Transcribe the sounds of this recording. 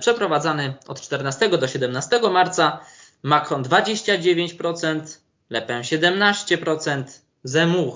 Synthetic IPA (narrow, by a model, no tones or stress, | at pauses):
pʂɛpɾɔvad̪zanɘɔ̰t̪t͡ʂt̪ɛɾnast̪ɛɡɔd̪ɔɕɛd̪ɛmnast̪ɛɡɔmaɾt̪sa | makɾɔnd̪vad͡ʑeɕt͡ɕad͡ʑevʲjeɲt͡ɕpɾɔt̪sɛnt̪ | lɛpɛɕɛd̪ɛmnaɕt͡ɕɛpɾɔt̪sɛnt̪ | zɛmux